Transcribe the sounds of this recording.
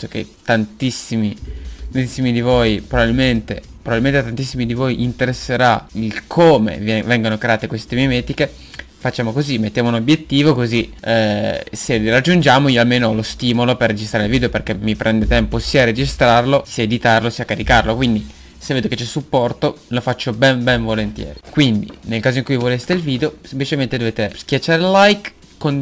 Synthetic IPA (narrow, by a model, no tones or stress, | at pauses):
okḛt̪ant̪isːimit̪ant̪isːimid̪ivojpɾobabilment̪e | pɾobabilment̪et̪ant̪isːimid̪ivojʔint̪eɾesːeɾailkʰoːmḛvɛŋɡonokɾeaːt̪ekwest̪ememɛːt̪ike | fat͡ʃːaːmokozimet̪ːjaːmounobjet̪ːiːvokozi | serad͡ʒːund͡ʒaːmoiːoalmeːnoɔlost̪iːmoloperːed͡ʒist̪ɾaːɾelviːd̪eoperk̟emːipɾʔɛnd̪et̪ɛmposiːaɾed͡ʒist̪ɾarlosiːaed̪it̪arlosiːakaɾikarlokwind̪i | sevːeːd̪oket͡ʃːɛsːupːɔrt̪o | lofat͡ʃːobɛnbɛɱvolent̪jɛ̰ːɾikwind̪ḭnelkaːzoiŋkujvolest̪eilviːd̪eosemplit͡ʃement̪ed̪oveːt̪esk̟jat͡ʃːaːɾelajk | kːon